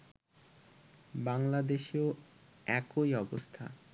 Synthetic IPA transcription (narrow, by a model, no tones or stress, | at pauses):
baŋlad̪eʃioɛkojɔbost̪ʰa̰